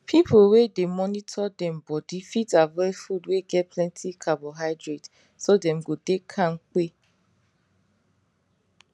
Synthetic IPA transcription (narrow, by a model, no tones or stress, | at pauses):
pʰipʰowedemɔnitʰɔdɛ̃mbɔdifitavɛɹifudweɡɛt̚pʰlɛ̃ntʰikʰabɔɦaɪdɹet | sodɛ̃mɡodekʰãnke